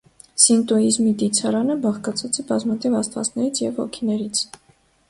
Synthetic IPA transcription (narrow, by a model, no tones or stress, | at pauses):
sint̪uizmid̪it͡sʰɑɾɑnəbɑχkɑt͡sʰɑt͡sɛbɑzmɑt̪ʰivɑst̪vɑ̰t͡snɛɾit͡sʰjɛvhɔ̰kʰinɛɾit͡sʰ